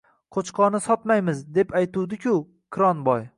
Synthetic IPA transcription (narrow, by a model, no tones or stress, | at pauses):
qʰot͡ʃqʰɒnɪsɒt̪majmɪzd̪e̞pʰajt̪ʰud̪ɪkʲʰʊ | kʲʰɾɒnbɒj